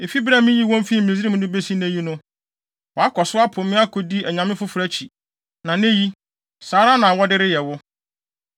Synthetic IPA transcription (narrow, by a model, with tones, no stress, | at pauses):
ɪ˨fi˦bɾa˦˨mɪ̃˦ji˦wɔ̃˦m˦fi˦˨m˨s̬i˦ɾĩ˦m˦dʊ̃˦be˦si˦nẽ˦ji˦nʊ̃˦ | wɔ˨a˦kʰɔ˨sʊ˦a˦pʰʊ̃˨mɪ̃˦a˦kʰo˦di˦æ˨ɲã˨mɪ̃˦fʊ˦fʊ˨ɾæ˦t͡ɕʰi˨ | nã˨nẽ˦ji˦ | saː˨˦ɾa˦nã˨wɔ˦dɪ˦ɾɪ˦jɛ˨wʊ˦